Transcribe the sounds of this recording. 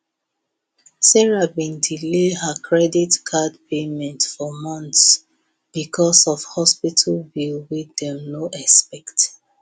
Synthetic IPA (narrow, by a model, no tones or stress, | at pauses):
sɛɹabĩndileɦakʰɹɛditkʰadpʰemɛ̃ntfɔmɔ̃ns | b̥ikʰɔsɔfhɔspitʰalbilwidɛ̃mnoʔɛspɛkt